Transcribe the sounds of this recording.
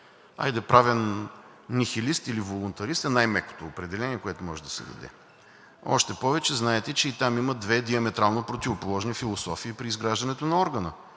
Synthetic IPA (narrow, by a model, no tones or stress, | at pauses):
a̰jd̪ɛpɾavɛn | nixilist̪ilivolˠʊnt̪ɐɾist̪ɛnajmɛko̥t̪oːpɾɛd̪ɛlɛniɛkoɛt̪ʊmɔʒɛd̪ɐsɛ̰d̪ɐ̰d̪ɛ̰ | ɔ̰ʃt̪ɛpɔvɛt͡ʃɛznaɛt̪ɛt͡ʃɛit̪amimɐd̪vɛd̪iəmɛt̪ɾalˠnopɾot̪ivopolˠɔʒnifilˠosɔfiːpɾiːzɡɾaʒd̪ɐnɛt̪onɐɔɾɡənə